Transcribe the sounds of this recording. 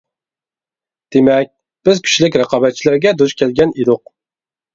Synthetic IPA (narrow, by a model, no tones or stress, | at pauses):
d̪̥emɛk̚ʲ | b̥ɪzkʲʰy̥ʃlɪkʲɾəqʰɑːbɛt̪̚t͡ʃʰilæɾɡʲɛd̪uʃkʲʰɛlɡʲɛned̪ʊq̚